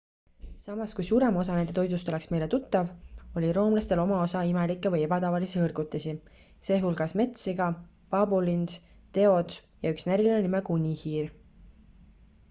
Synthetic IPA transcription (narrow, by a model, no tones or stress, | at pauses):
sɑmɑskujsuːɾe̞mo̞s̬ɑne̞nd̪e̞t̪o̞jd̪ust̪ole̞ksme̞jle̞t̪ut̪ːɑvo̞lʲiɾo̞ːmlɑst̪e̞lo̞mɑo̞sɑimelikːˑevɤje̞bɑt̪ɑvɑlisiɤrɡ̥ut̪ːˑesi | se̞ːɦulɡ̥ɑsme̞t̪siɡɑ | pɑbulins | t̪e̞o̞d̪s | jɑyksnæɾilinenimekunʲːihiːr